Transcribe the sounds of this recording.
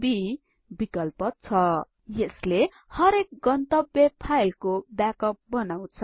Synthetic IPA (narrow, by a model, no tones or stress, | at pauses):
bi | bikʌlpʌt͡sʰʌ | jesle | hʌɾek̚ɡʌnt̪ʌbjʌpʰajlkobjakʌp̚bʌnaw̃t͡sʰʌ